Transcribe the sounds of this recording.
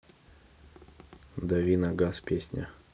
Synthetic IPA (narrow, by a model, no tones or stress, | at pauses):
d̪ɐvʲinɐɡaspʲesʲnʲə̰